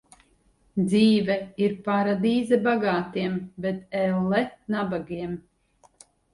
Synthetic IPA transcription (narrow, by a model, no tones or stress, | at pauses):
d̪ziːvɛiɾpaɾad̪iːzɛbaɡaːt̪iɛmbɛt̪ɛlːɛnabaɡiɛm